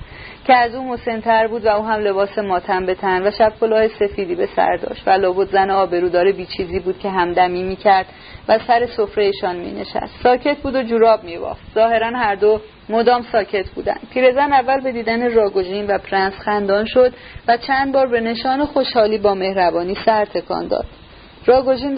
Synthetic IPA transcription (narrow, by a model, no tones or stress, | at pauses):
cʰeæzuːmo̞se̞nt̪ʰæɾbuːd̪væuːɦæmle̞bɒːse̞mɒːt̪ʰæmbe̞t̪ʰænd̪væʃæb̚kʰo̞lɒːhese̞fiːd̪iːbe̞sæ̰ɾd̪ɒ̰ːʃt̪vælɒːbot̪zæneɒːbe̞ɾuːd̪ɒːɾebiːt͡ʃʰiːziːbuːd̪̥cʰe̞ɦæmd̪æmiːmiːcʰæɾd̪̥ | væsæɾe̞sofɾejeʃɒnmḭːne̞̰ʃæ̰st̪sɒːcʰe̞t̪̚ʰbuːd̪od͡ʒuɾɒːb̚miːbɒ̰ft̪zɒːhe̞ɾænhæɾd̪o | mod̪ɒːmsɒːcʰe̞t̪ʰbuːd̪æ̰nd̪̚pʰiːɾe̞zænævːælbe̞d̪iːd̪ænerɒːɡo̞ʒiːnvæpʰɾænsxænd̪ɒːnʃo̞d̪væt͡ʃʰænd̪̚bɒːɾbe̞ne̞ʃɒːnexo̞ʃhɒːliːbɒːme̞hɾæbɒːniːsæɾt̪ʰe̞kʰɒ̰ːnd̪ɒ̰ːd̪̥ | ɾɒːɡo̞ʒiːn